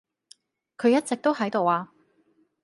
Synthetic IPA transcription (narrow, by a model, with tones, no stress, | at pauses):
kʰɵ˨˧ɥjɐ˥t̚t͡sɪ˨k̚t̪o˥wɦɐ˨˥jt̪o˨waː˧